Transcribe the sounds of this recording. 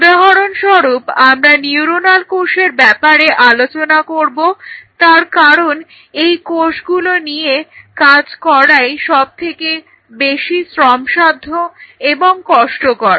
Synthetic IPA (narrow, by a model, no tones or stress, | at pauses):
ud̪aɦɔɾonʃɔɾupamɾaniuɾonalkoʃeɾbɛpaɾeʔalot͡ɕonakoɾbot̪aɾkaɾon | ejkoʃɡulonijekad͡ʑkɔɾajʃɔb̚t̪ʰeke | beʃisɾɔmʃad̪ʱːoeboŋkɔʃʈokɔɾa